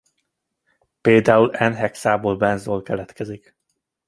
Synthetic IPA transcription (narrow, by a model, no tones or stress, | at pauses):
peːld̪aːulɛnɦɛksaːboːlbɛnzoːlkɛlɛt̪kɛzik